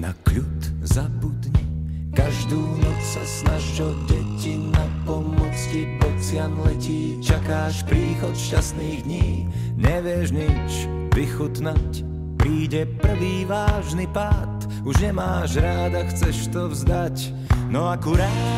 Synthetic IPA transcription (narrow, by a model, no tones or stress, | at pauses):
na̰kʎut̪ | zabud̪ɲɛ | kaʒd̪uːnɔt͡ssasnaʒʒɔɟɛcinapɔmɔt͡skipɔt͡sɪanlɛciː | t͡ʃakaːʃpɾiːxɔt̪ʃcast̪niːɣd̪ɲiː | ɲɛʋɪɛʒɲit͡ʃ | ʋixut̪nac | pɾiːɟɛpr̩ʋiːʋaːʒnipaːt̪ | uʒɲɛmaːʒɾaːd̪axt͡sɛʃt̪ɔvzd̪ac | nɔakuɾat̪